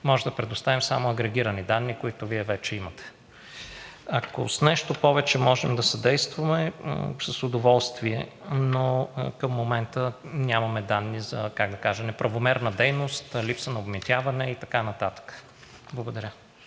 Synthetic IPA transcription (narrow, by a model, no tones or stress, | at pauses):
mɔʒɛmd̪ɐpɾɛd̪ʊst̪avimsa̰moɐɡɾɛɡʲiɾɐnid̪anːikʊit̪ʊviɛvɛt͡ʃɛimət̪ɛ̥ | ɐko̰snɛʃt̪opɔvɛt͡ʃɛmɔʒɛmd̪ɐsɐd̪ɛjst̪vɐmɛ̰sɐsʊd̪ovɔlˠst̪viɛ̰nokəmːomɛnt̪ənʲamɐmɛd̪anːizɐ̰kaɡd̪ɐkaʒɛmnɛpɾɐvomɛɾnəd̪ɛjnost̪lipsənɐobmit̪ʲjavɐnɛit̪ɐkanɐt̪at̪ə̥kə̥ | blˠɐɡod̪ɐɾʲə